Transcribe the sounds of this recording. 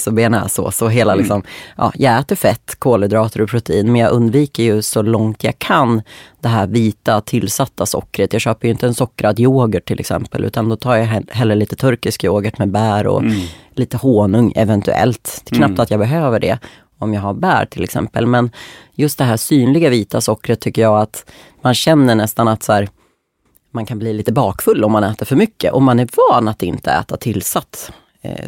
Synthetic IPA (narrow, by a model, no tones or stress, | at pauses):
sɔbeːnɛ̰sɔ̰sɔɦeːlalɪksɔmʔɑ̰ːjʔɑːɡɛːt̪əɾfɛt̪ːkʰoːləd̪ɾɑːt̪ʰəɾɔpʰɾʊt̪ɛiːnmɛnjɑɡʔɵnd̪viːkəɾjɵsɔlɔŋt̪jɑ̰ɡkʰand̪ɛɦæːɾviːt̪at̪ʰɪlːsat̪ʰːasɔ̰kːɾət̪jɑɡɕøːpəjɵɪnt̪əɛnsɔkːɾad̪joːɡəʈʰːɪlʔɛ̰ksɛ̰mpə̰lʔʉ̟ːt̪and̪ɔt̪ʰɑːɾjaɦɛlːəɭiːt̪ə̥t̪ʰɵɾkɪskjoːɡəʈmɛbæːɾɔ̰liːt̪əhoːnɵŋɛ̰vɛnt̪ɵ̰ɛ̰lt̪kʰnap̚t̪at̪jɑːbɛɦøːvəɖɛ̰ | ɔmjɑːɡhaɾbæ̰ːɾʈʰɪlɛksɛ̰mpə̰lmɛnjɵst̪̚d̪ɛɦæːsyːnlɪɡaviːt̪asɔkːɾət̪ʰːʏkːəjɑːɡat̪ | manɕɛnːəɳɛst̪anat̪sæːɾ | mankʰanbliːliːt̪əbɑːkfɵlːɔmːanɛːt̪əɾfœɾmʏkːə̰ʔɔmːanæɾvɑːnat̪ɪnt̪ʰəɛ̰ːt̪at̪ʰɪlːsat̪ː